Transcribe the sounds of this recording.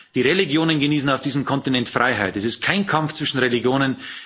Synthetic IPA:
d̥iːʁeliɡjoːnənɡəniːsn̩aʊfd̥iːzəmkʰɔntinɛntfʁ̥aɪɦaɪtɛsɪst̚kʰaɪnkʰamft͡sv̥ɪʃn̩ʁeliɡjoːnən

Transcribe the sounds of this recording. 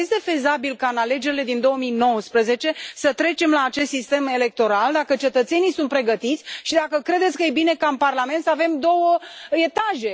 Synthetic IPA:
jest̪e̞fe̞zabilkaɨnale̞d͡ʒe̞ɾile̞d̪ind̪o̞wəmijno̞wəspɾəze̞t͡ʃe̞sət̪ɾe̞t͡ʃe̞mlaːt͡ʃe̞st̪sist̪e̞me̞le̞k̚t̪o̞ɾald̪akət͡ʃe̞t̪ət̪se̞nijsunt̪pɾe̞ɡət̪it̪sʲʃid̪akəkɾe̞d̪et̪sʲkəje̞bine̞kaɨnparlame̞nt̪səave̞md̪o̞wəe̞t̪aʒe̞

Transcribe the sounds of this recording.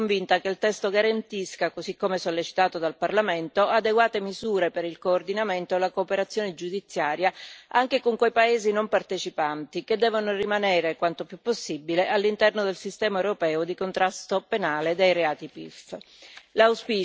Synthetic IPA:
ɱvint̪akelt̪ɛst̪oɡaɾant̪iskakozikːomesolːet͡ʃi̥t̪aːt̪od̪alparlament̪oad̪eɡwaːt̪emizuːɾepeɾilkoːrd̪inament̪olakoːpeɾat̪sːjoːned͡ʒud̪it̪sːjaːɾjaaŋk̟ekoŋkwejpaeːzinompart̪et͡ʃipant̪iked̪ːɛːvonorimanɛːɾekwant̪opjupːosːibileʔalːint̪ɛrnod̪elsist̪ɛːmaewɾopɛːod̪ikont̪ɾast̪openaːled̪ejɾeaːt̪ipḭf | lawspiː

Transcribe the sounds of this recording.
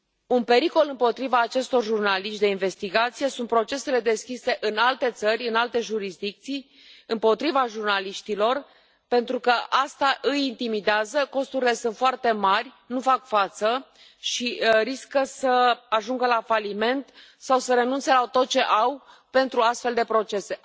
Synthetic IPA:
unpe̞ɾiko̞lɨmpo̞t̪ɾivaːt͡ʃe̞st̪o̞rʒurnaliʃt̪d̪e̞inve̞st̪iɡat̪sijesunt̪̚pɾo̞t͡ʃe̞se̞le̞d̪e̞skʲise̞ʔɨnalt̪e̞t̪sərʲɨnalt̪e̞ʒuɾisd̪ik̚t̪sij | ɨmpo̞t̪ɾivaʒurnaliʃt̪ilo̞r | pe̞nt̪ɾukəʔast̪aʔɨjint̪imid̪eazəko̞st̪uɾile̞sunt̪foart̪e̞marʲ | nufakfat̪sə | ʃiriskəsəaʒuŋɡəlafalime̞nt̪ | sawsəɾe̞nunt̪se̞lat̪o̞t̪̚t͡ʃe̞ʔaw | pe̞nt̪ɾuast̪fe̞ld̪e̞pɾo̞t͡ʃe̞se̞

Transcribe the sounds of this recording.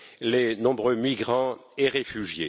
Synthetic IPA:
lenɔ̃bʁømiɡʁɑ̃eʁefyʒjḛ

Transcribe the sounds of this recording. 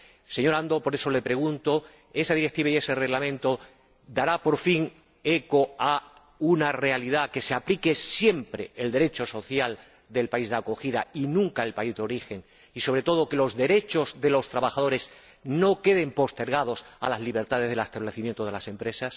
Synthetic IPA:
se̞ɲo̞ɾand̪opo̞ɾe̞so̞le̞pɾe̞ɣ̞unt̪o̞ | e̞saðiɾek̚t̪iβaie̞se̞re̞ɣlamẽ̞nt̪o̞ | d̪aɾapo̞ɾfiŋ | e̞ko̞a | unare̞aliðake̞seaplike̞sje̞mpɾe̞eld̪e̞ɾe̞t͡ʃo̞so̞θjal | d̪e̞lpaizðako̞xiða̰inũŋkae̞lpaizðeo̞ɾixe̞ŋ | iso̞βɾe̞t̪o̞ð̞oke̞lo̞zðe̞ɾe̞t͡ʃo̞zðe̞lo̞st̪ɾaβaxaðo̞ɾe̞z | no̞ke̞ð̞e̞mpo̞st̪e̞ɾɣ̞að̞o̞sa̰lazliβ̞e̞ɾt̪að̞e̞zð̞e̞last̪aβleθimjent̪o̞ðelase̞mpɾe̞sas

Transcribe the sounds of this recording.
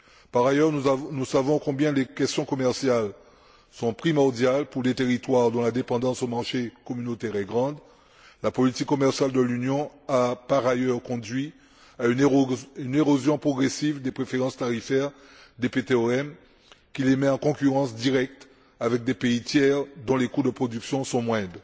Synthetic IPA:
paʁajœʁnusavɔ̃kɔ̃bjɛ̃lekʲɛst̪jɔ̃kɔmɛʁsjal | sɔ̃pχimɔʁd̪jalpuʁlet̪eʁit̪waʁd̪ɔ̃lad̪epɑ̃d̪ɑ̃somaʁʃekɔmynot̪ɛʁɛɡʁɑ̃d̪ | lapɔlit̪ikːɔmɛʁsjald̪əlynjɔ̃apaʁajœʁkɔ̃d̪ɥi | aynyneʁozjɔ̃pχɔɡʁesivd̪epχefeʁɑ̃st̪aʁifɛʁ | d̪epet̪eoɛm | kʲilemɛɑ̃kɔ̃kʲyʁɑ̃sd̪iʁɛk̚t̪ | avɛk̚d̪epeit̪jɛʁd̪ɔ̃lekud̪əpχɔd̪yksjɔ̃sɔ̃mwɛ̃d̪

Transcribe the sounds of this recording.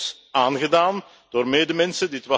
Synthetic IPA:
s | aːnɣədaːn | d̥oːrmeːdəmɛnsəndiːətwɑ

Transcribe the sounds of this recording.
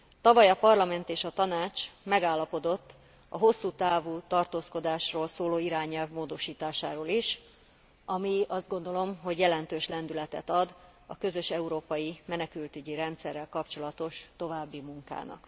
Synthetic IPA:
t̪ɒvɒjɒpɒrlɒmɛnt̪eːʃɒt̪ɒnaːt͡ʃmɛɡaːlːɒpo̞d̪o̞t̪ː | ɒ̰ɦo̞sːuːt̪aːvuːt̪ɒrt̪oːsko̞d̪aːʃroːlsoːloːiɾaːɲɛlvmoːd̪o̞ʃiːt̪aːʃaːɾoːliʃ | ɒmiɒzd̪ɡo̞nd̪olo̞mɦo̞ɟjɛlɛnt̪øːʃlɛnd̪ylɛt̪ɛ̰t̪ɒd̪ | ɒkø̞zø̞ʃɛuɾoːpɒjimɛnɛkylt̪yɟiɾɛnt̪sɛrːɛlkɒpt͡ʃo̞lɒt̪o̞ʃt̪o̞vaːbːimuŋka̰ːnɒ̰k

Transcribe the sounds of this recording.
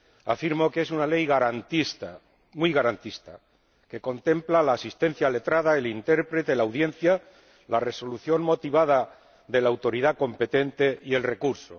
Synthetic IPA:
afiɾmo̞kee̞sunale̞jɣaɾant̪ist̪a | mwujɣaɾant̪ist̪a̰ | ke̞ko̞nt̪e̞mplalaːsist̪e̞n̟θjale̞t̪ɾaðaelint̪e̞ɾpɾet̪e̞lawðjẽ̞n̟θja | lare̞so̞luθjo̞ŋmo̞t̪iβ̞að̞a | ðe̞laːwt̪o̞ɾiðako̞mpe̞t̪e̞nt̪e̞ie̞lre̞kuɾso̰

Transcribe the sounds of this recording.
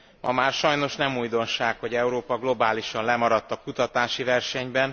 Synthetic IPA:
mʔɒ̰maːrʃɒjno̞ʃnɛmuːjd̪o̞nʃaːkho̞ɟɛuɾoːpɒɡlo̞baːliʃɒnlɛmɒɾɒt̪ːɒkut̪ɒt̪aːʃivɛrʃɛɲbɛn

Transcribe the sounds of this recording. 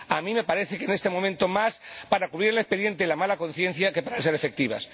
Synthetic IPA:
amĩme̞paɾe̞θe̞kene̞st̪e̞momẽnt̪o̞maspaɾakuβɾiɾelespe̞ðje̞nt̪elamalako̞n̟θje̞n̟θjake̞paɾas̬e̞ɾefe̞k̚t̪iβ̞a̰s

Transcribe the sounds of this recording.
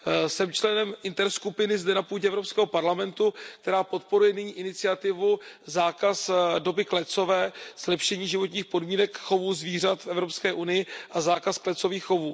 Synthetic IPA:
sɛmt͡ʃlɛnɛmʔɪnt̪ɛɾskupɪnɪzdɛnapuːɟɛʔɛvɾopskɛːɦopaɾlamɛnt̪uk̚t̪ɛɾaːpo̞t̪̚po̞ɾujɛnɪɲiːʔɪnɪt͡sɪat̪ɪvuzaːkasdo̞bɪklɛt͡so̞vɛːz̥lɛpʃɛɲiːʒɪvo̞t̪ɲiːxpodmiːnɛkxo̞vuːzviːr̝at̪fʔɛvɾo̞pskɛːʔunɪjɪʔazaːkasklɛt͡so̞viːxːo̞vuː

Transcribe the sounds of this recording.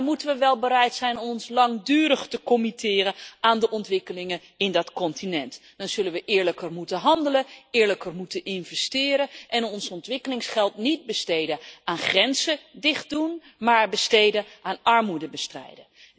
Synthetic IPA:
mutənʋəʋɛlˠbəɾɛjtsɛjnɔmɔnslɑŋdyːɾəχtəkɔmitɪːɾəaːndəʔɔntʋɪkəlɪŋən | ɪndɑtkɔntinɛntd̥ɑnz̥ɵlənʋəʔɪːɹləkərmutəɦɑndələɪːɹləkərmutənʔɪnvɛstɪːɾəʔɛnɔnsɔntʋɪkəlɪŋsχɛlˠtnid̚bəstejdəaːnχrɛnzədɪχt̚dun | maːɹbəstejdəʔaːnɑɹmudəbəstrɛ̰jdə

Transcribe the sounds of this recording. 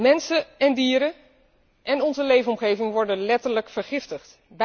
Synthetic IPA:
mɛnsəɛndiːɾə | ʔɛnɔnzəlejvənɔmχejvɪŋʋɔɹdənlɛtəɹləkfəɹχɪftəχt | b

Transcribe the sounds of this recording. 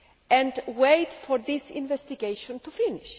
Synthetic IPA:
ɛ̃ndwetfɔɾðisḭ̃nvɛst̪iɡejʃɔ̃nt̪ufiniʃ

